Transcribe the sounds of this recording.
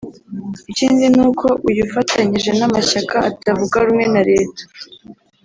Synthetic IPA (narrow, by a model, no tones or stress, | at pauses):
iciːnzinuːkʰo̞ʔujufatʰaɲiʒe̞namaʃakaːtavuɡaɾumŋe̞naɾe̞ːtḁ